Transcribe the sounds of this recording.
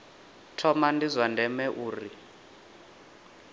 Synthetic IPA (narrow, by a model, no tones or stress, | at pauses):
tʰɔmandizʷwandʱɛmɛʔuːri